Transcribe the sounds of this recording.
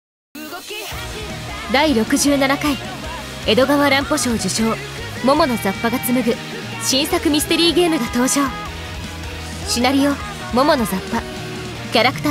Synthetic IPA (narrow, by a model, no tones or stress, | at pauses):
d̪aiɾo̞kɯ̟ʑɨːnanakaie̞d̪o̞ɡaβaɾãmpo̞ɕo̞ːd͡ʑɨɕo̞ː | mo̞mo̞no̞zapːaɡat͡sɨmɯ̟ɡɯ̟ | ɕĩɰ̃sakɯ̟mʲisɨ̥t̪e̞ɾʲiːɡe̞ːmɯ̟ɡat̪o̞ːʑo̞ː | ɕinaɾʲijo̞ | mo̞mono̞zapːa | kʲaɾakɯ̟̥t̪a